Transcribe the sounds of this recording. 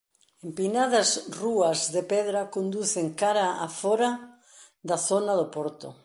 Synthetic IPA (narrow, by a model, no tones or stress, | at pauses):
empinaðɐsruɐzðepɛðɾɐkond̪uθeŋkaɾaa̰fɔɾɐ | ðɐθonɐðʊpɔɾt̪ʊ̰